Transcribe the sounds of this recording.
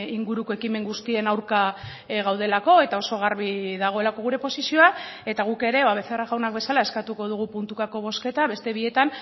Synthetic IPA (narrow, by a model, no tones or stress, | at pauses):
iŋɡuɾuko̞e̞kime̞ŋɡust̪ie̞nawɾka | ɣawð̞e̞lako̞e̞t̪ao̞so̞ɣ̞aɾβiðaɣ̞o̞e̞lako̞ɣ̞uɾe̞po̞sisio̞ae̞t̪aɣ̞uke̞ɾe̞βaβe̞θeraɣawnak̚be̞salae̞skat̪uko̞ð̞uɣ̞upunt̪utako̞β̞o̞ske̞t̪aβe̞st̪e̞β̞ie̞t̪an